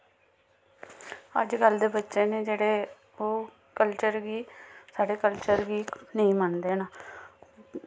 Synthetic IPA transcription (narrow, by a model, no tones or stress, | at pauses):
ə̰d͡ʒɡəld̪eːbətːʃeːneːd͡ʒeːɽeː | oː | kəlt͡ʃəɾɡiːsaːɖeːkəlt͡ʃəɾɡiːnəĩːmənd̪eːnaː